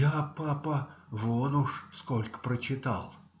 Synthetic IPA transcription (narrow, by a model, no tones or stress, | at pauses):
japapəvonʊʂskolʲkə̥pɾət͡ɕɪt̪a̰lˠ